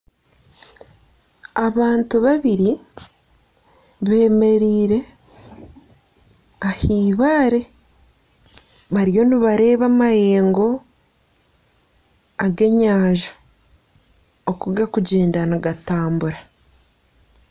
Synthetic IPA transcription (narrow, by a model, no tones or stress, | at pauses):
aβaːntuβaβiɾi | βe̞ːme̞ɾiːɾe̞ | ahiːβaːɾe̞ | βaɾjo̞niβaɾe̞ːβamaje̞ːŋɡo̞ | aɡe̞ɲaːʒḁ | okuɡakuɟeːndanaɡataːmbuɾa